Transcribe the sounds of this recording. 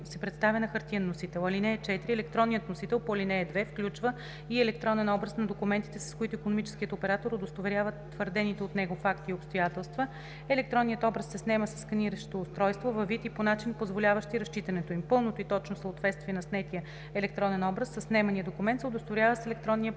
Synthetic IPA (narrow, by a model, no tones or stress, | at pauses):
sɛpɾɛt̪st̪avʲənɐxɐɾt̪iənːosit̪ɛlˠɐlinɛːt͡ʃɛt̪iɾiɛlɛkt̪ɾɔnːijət̪nosit̪ɛlˠpoɐlinɛːd̪vɛfklʲut͡ʃvə | iɛlɛk̚t̪ɾɔnɛnɔbɾəsnɐd̪okumɛnt̪it̪ɛsɐ̥skoit̪ʊikonomit͡ʃɛ̥skiət̪opɛɾat̪oɾod̪ost̪ovɛɾʲjavət̪ːvəɾd̪ɛnit̪ɛot̪nɛɡofakt̪iopst̪ojat̪ɛlˠst̪və | ɛlɛkt̪ɾɔnːijət̪ɔbɾəsːɛsnɛməsɐ̥skɐniɾəʃo̥t̪oːst̪ɾɔjst̪vovɐvit̪iponat͡ʃinpozvolʲavəʃt̪iɾɐʃt͡ʃit̪ɐnɛt̪oimpɤlˠnot̪oit̪ɔt͡ʃnosəot̪vɛt̪st̪vʲiɛnɐsnɛt̪iə | ɛlɛk̚t̪ɾɔnɛnɔbɾəsːəsnɛmɐnijəd̪okʊmɛnt̪sɛod̪ost̪ovɛɾʲjavəsɛlɛk̚t̪ɾɔnːiə